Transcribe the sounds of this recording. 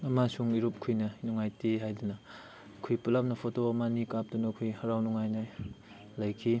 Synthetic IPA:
ɐmasuŋiɾup̚kʰujnɐnuŋajtiɦajdunɐ | kʰujpulap̚nɐpʰotomanikap̚dunɐkʰujhɐɾawnuŋajnaj | lɐjkʰi

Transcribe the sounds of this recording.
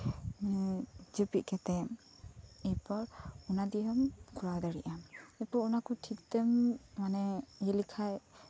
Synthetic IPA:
md͡ʒɯpiʔ̚kɛt̪ɛm | ɛpɔɾunad̪iɔmkuɾawd̪aɾiʔamɛpɔɾunakɔtʰik̚t̪ɛmːanɛjilikʰaj

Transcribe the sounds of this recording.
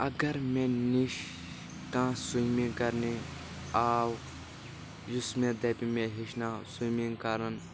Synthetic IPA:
ɐɡɐɾmẽniʃ | kãːsujmĩkɐɾni | aːw | jusmẽd̪ɐpimẽɦiʃnãːsujmĩŋkɐɾɐn

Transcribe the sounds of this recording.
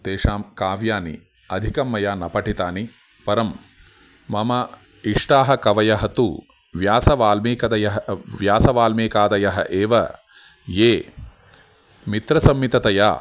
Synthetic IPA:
t̪eːʂaːmkaːʋjaːnḭ | ɐd̪ʱikɐmːɐjaːnɐpɐʈit̪aːni | pɐɾɐmː | ɐmɐ | iʂʈaːɦɐkɐʋɐjɐɦɐt̪ṵ | ʋjaːsɐʋaːlmiːkɐd̪ɐjɐɦɐʋjaːsɐʋaːlmeːkaːd̪ɐjɐɦɐ̰ʔeːʋɐ | jeː | mit̪ɾɐsɐmːit̪ɐt̪ɐja̰ː

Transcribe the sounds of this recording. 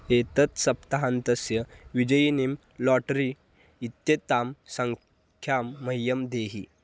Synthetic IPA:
et̪ɐt̪sɐpt̪aɦant̪ɐsjəʋid͡ʑəjinim | lɔʈɾiː | t̪jet̪aːmsəŋ | kʰjamːɐjjɐmd̪eːɦḭ

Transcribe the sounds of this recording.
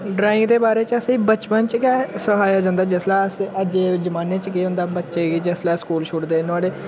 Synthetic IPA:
ɖɾaːɪ̃ŋɡd̪eːbaːɾeːt͡ʃəsiːbət͡ʃpənt͡ʃkɛsəɦaːjaːd͡ʒãːnd̪aːd͡ʒɛːslɛːəsəd͡ʒeːd͡ʒəmaːneːt͡ʃkiːɦʊ̃nd̪aːbətːʃeːɡid͡ʒɛːslɛːskuːlʃʰʊɽd̪eːnʊaːɽeː

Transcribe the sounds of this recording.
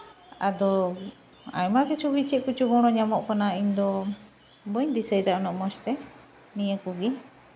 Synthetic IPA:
ad̪ɔ | a̰jmakɛt͡ʃubit͡ʃiʔ̚kut͡ʃuɡɔɽ̃ɔɲamɔʔkanaiɲd̪ɔ | bəɲd̪isəjd̪aʔnɔʔmɔt͡ʃt̪ɛ | nijəkuɡi

